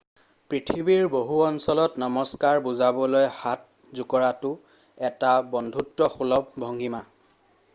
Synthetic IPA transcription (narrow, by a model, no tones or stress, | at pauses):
pɹitʰibiɹboɦuɔnsɔlɔtnɔmɔskaɹbuzabɔlojhat̚ | zukɔɹatʊ | ɛtabɔndʱutːɔxulɔb̚bʱɔŋɡʱima